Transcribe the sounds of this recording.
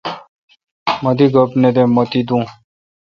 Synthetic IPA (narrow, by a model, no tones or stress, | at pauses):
mʌd̪iɡəpned̪ẽmət̪id̪ũː